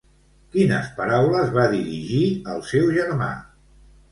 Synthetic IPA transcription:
kinəspəɾawləzβaðiɾiʒiəlˠsɛwʒəɾma̰

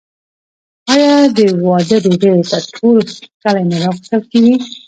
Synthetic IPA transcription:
ɑjɑd̪əwɑd̪əd̪oɖet̪aʈʰolkalanaɾɑɣəst̪əlkeɡi

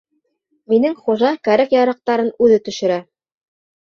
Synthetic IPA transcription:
minɘŋχuʒɑkæɾækjɑɾɑq̚t̪ɑɾɤnʉðɘt̪ɵ̆ʃɘ̆ɾæ

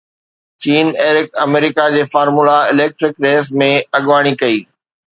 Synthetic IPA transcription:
t͡ɕiːneːɾɪkɐmeːɾɪkad͡ʑeːfaːɾmulaɪleːk̚ʈɾɪkɾeːsmẽɐɠʋaːɽ̃ikɐiː

